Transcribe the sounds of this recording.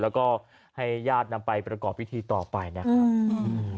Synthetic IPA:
lɛː˦˥wkɔː˥˩ | ha˥˩jjaː˥˩t̪̚na˧mpa˧jpɾa˧kɔː˨˩p̚wi˦˥t̪ʰiː˧t̪ɔː˨˩pa˧jna˦˥kʰa˦˧ʔɯː˧

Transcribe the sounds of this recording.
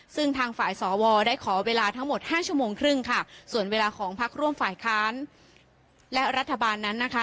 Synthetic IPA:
sɯ˥˩ŋt̪ʰaː˧ŋfaː˨˩jsɔː˩˦wɔː˧daː˥˩jkʰɔː˩˦weː˧laː˧t̪ʰa˦˥ŋmo˨˩t̪̚haː˥˩t͡ɕʰu˥˩əmoː˧ŋkʰɾɯ˥˩ŋkʰa˥˩su˨˩ənweː˧laː˧kʰɔː˩˦ŋpʰa˦˥k̚ɾu˥˩əmfaː˨˩jkʰaː˦˥n | lɛ˦˥ɾa˦˥t̪ʰːa˧baː˧nːa˦˥nːa˦˥kʰa˦˥

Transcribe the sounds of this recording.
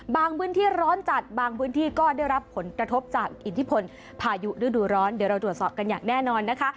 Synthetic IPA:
baː˧ŋpʰɯː˦˥nt̪ʰiː˥˩ɾɔː˦˥nt͡ɕa˨˩t̪̚baː˧ŋpʰɯː˦˥nt̪ʰiː˥˩kɔː˥˩daː˥˩jɾa˦˥pʰːo˩˦nkɾa˧t̪ʰo˦˥p̚t͡ɕaː˨˩k̚ʔi˨˩t̪ʰi˦˥pʰo˧n | pʰaː˧ju˦˥ɾɯː˦˥˩duː˧ɾɔː˦˥ndi˩˦ɾa˧wt̪ɾu˨˩ət̪sɔː˨˩p̚ka˧njaː˨˩ŋnɛː˥˩nɔː˧nːa˦˥kʰa˦˥ʔ

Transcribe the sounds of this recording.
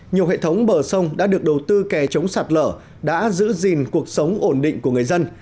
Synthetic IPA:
ɲi˨˩əwɦḛ˧˨t̪ʰə˨˦wŋ͡mɓəː˧˩sə˧wŋ͡mɗa̰ː˧˥ɗɨ˨˩ək̚ɗə˨˩wt̪ɨ˧kɛ˨˩t͡ɕə˨˦wŋ͡msaː˨˩t̚lə̰ː˧˩ | ɗa̰ː˧˥zɨ̰˧˥zi˨˩nku˨˩ək̚sə˨˦wŋ͡mʔo˧˩nɗḭ̈˧˨ŋ̟ku˧˩əŋɨ˨˩əjzə˧n

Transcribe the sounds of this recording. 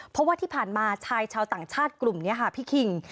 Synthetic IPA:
pʰɔ˦˥waː˥˩t̪ʰiː˥˩pʰaː˨˩nmaː˧t͡ɕʰaː˧jt͡ɕʰaː˧wt̪aː˨˩ŋt͡ɕʰaː˥˩t̪̚klu˨˩mni˦˥ɐkʰa˥˩pʰiː˥˩kʰi˧ŋ

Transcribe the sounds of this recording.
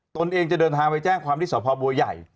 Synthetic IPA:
t̪o˧nʔeː˧ŋt͡ɕa˨˩dɤː˧nt̪ʰaː˧ŋpa˧jt͡ɕɛː˥˩ŋkʰwaː˧mt̪ʰiː˥˩sɔ˨˦˥pʰɔː˧bu˧ja̰˨˩j

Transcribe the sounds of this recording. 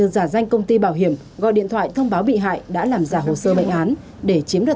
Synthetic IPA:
ɨ˧zaː˧˩za˧jŋ̟kə˧wŋ͡mt̪i˧ɓaː˧˩wɦi˧˩əm | ɣɔ̰˧˨ɗḭ˧˨ət̪ʰwa̰ː˧˨jt̪ʰə˧wŋ͡mɓaː˨˦wɓḭ˧˨ɦa̰ː˧˨jɗa̰ː˧˥laː˨˩mzaː˧˩ɦo˨˩səː˧ɓə̰˧˨jŋ̟ʔaː˨˦n | ɗe˧˩t͡ɕi˨˦əmɗɨ˨˩

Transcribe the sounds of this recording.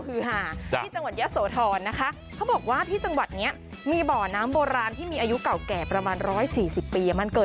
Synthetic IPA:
kʰɯː˧ɦaː˧˩iː˥˩t͡ɕa˧ŋwa˨˩t̪̚ja˦˥soː˩˦t̪ʰɔː˧nːa˦˥kʰa˦˥ | kʰa˦˥wbɔː˨˩k̚waː˥˩t̪ʰiː˥˩t͡ɕa˧ŋwa˨˩t̪̚ni˦˥ɐ | miː˧bɔː˨˩naː˦˥mboː˧ɾaː˧nt̪ʰiː˥˩miː˧ʔːju˦˥ka˨˩wkɛː˨˩pɾa˧maː˧nɾɔː˦˥jsiː˨˩si˨˩pːiː˧ʔma˧nkɤː˨˩

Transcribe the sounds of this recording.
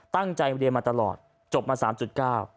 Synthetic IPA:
t̪a˥˩ŋt͡ɕa˧jdi˧əmaː˧t̪a˧lɔ̰ː˨˩t̪̚ | t͡ɕo˨˩p̚maː˧saː˩˦mt͡ɕu˨˩t̪̚kaː˥˩w

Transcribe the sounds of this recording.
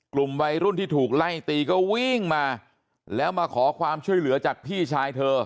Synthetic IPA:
klu˨˩mwa˧jɾu˥˩nt̪ʰiː˥˩uː˨˩k̚la˥˩jt̪iː˧kɔː˥˩wi˥˩ŋmaː˧ | lɛː˦˥wmaː˧kʰɔː˩˦kʰwaː˧mt͡ɕʰu˥˩əjlɯ˩˦ɐt͡ɕaː˨˩k̚pʰiː˥˩t͡ɕʰaː˧jt̪ʰɤː˧

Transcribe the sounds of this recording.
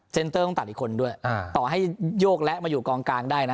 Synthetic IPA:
se˧nt̪ɤː˥˩kɔ˥˩ŋt̪a˨˩t̪̚ʔi˨˩kʰo˧ndu˥˩əja˧˩t̪ɔː˨˩ɦa˥˩jjoː˥˩k̚lɛ˦˥ʔmaː˧juː˨˩kɔː˧ŋkaː˧ŋdaː˥˩jna˦˥

